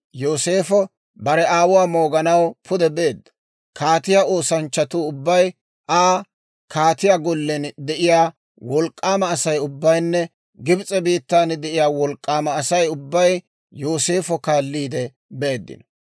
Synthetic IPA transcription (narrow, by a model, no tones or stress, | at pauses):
jo̞ːse̞ːfɔ | bɐɾɛaːwʊwaːmo̞ːɡɐnɐwpʰʊd̪ɛbe̞ːd̪ːɐ̥ | kʰaːt̪ɪjao̞ːsɐnt͡ʃːɐt̪uʊbːɐj | ʔaː | kʰaːt̪ɪjaɡɔlːɛnd̪ɛʔɪjaː | wɔlkʼːaːmɐːsɐjʊbːɐjnːɛ | ɡɪbɪt͡sʼɛbiːt̪ːaːnɪd̪ɛʔɪjaːwɔlkʼːaːmɐːsɐjʊbːɐj | jo̞ːseːfɔkaːlːiːd̪ɛ | be̞ːd̪ːɪ̰nɔ